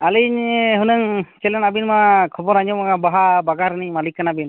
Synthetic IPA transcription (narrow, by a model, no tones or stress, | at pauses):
aliɲɦunəŋt͡ʃɛlɛnabinmakʰɔbɔɾaɲɔmaɡabaɦabaɡaɾnimalikːanabin